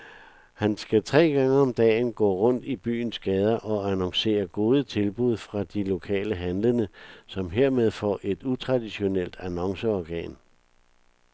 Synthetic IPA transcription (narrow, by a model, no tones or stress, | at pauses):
hænsɡ̥æt͡sʰʁɛ̰ːɡ̥ɑ̈ŋəɒ̽md̥ɛ̰ːnɡ̥ɔ̰ːʁɔ̽n̰d̥ib̥y̰ːn̩sɡ̥ɛːð̞ˠɐʔɒ̽ænɒ̽ŋse̝̰ːɐɡ̥o̝ːð̞ˠət͡sʰe̝lb̥uð̞̰ˠfʁɑ̈d̥ilo̝kʰɛ̰ːləɦænlənəsɒ̽mɦe̝ɐ̰með̞ˠfɒ̰ʔe̝d̥ut͡sʰʁɑ̈d̥iɕo̝nel̰d̥ænɒ̽ŋsəɒɡ̥ɛ̰ːn